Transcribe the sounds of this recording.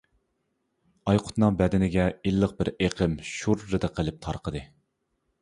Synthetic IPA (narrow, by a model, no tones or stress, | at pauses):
ɑjqʰʊ̥t̪nɨŋbɛd̪ɪnɪɡʲɛilːəq̚bɪɾeqʰəmʃuɾːɨd̪ɨqʰəlˠɪp̚t̪ʰɑ̰ɾqəd̪ɨ